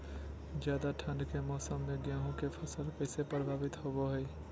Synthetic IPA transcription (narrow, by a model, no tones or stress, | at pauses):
zjaːd̪aʈʰə̃ɳɖkemɔːsəmːẽɡjaːɦõkepʰɐsəlkəɪsepɾəbʱaːʋɪt̪ɦoboɦeeː